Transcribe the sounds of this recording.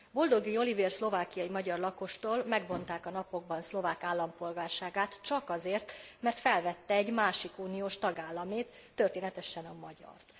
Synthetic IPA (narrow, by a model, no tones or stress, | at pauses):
bo̞ld̪o̞ɡio̞liveːrslo̞vaːkijɒimɒɟɒrlɒko̞ʃt̪oːlmɛɡvo̞nt̪aːkɒnɒpo̞ɡ̚bɒnslo̞vaːkaːlːɒmpo̞lɡaːrʃaːɡaːt̪t͡ʃɒkɒzeːrt̪mɛrt̪fɛlvɛt̪ːɛɛɟmaːʃikuːnijoːʃt̪ɒɡaːlːɒmeːt̪ːørt̪eːnɛt̪ɛʃɛnɒmɒɟɒ̰rt̪